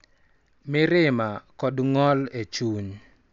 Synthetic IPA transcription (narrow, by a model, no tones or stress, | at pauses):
mɪɾɪmakɔdŋɔlet͡ʃuɲ